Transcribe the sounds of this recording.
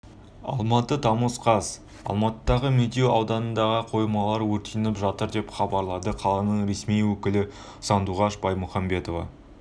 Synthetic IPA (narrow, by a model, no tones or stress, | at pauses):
ɑ̰lˠmɑt̪ət̪ʰɑməsqʰɑz | ɑ̰lˠmɑt̪əd̪ɑʁəmed̪eɑwd̪ɑnənd̪ɑʁəqʰo̞jmɑlˠɑɾwɵɾt̪ʰejnɪpʒɑt̪əɾd̪e̞pχɑbɑɾlˠɑd̪əqʰɑlˠɑnəɴɾe̞smijwɵkʲɪlɪ | sɑnd̪uʁɑʃbɑjmʊχɑmbe̞t̪o̞vɑ̰